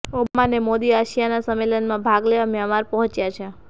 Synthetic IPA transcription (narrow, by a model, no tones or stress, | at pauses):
obmanemod̪iaʃijanasəmːelənmãbʱaɡleʋamjamaɾpəɦɔ̃t͡ʃjat͡ʃʰe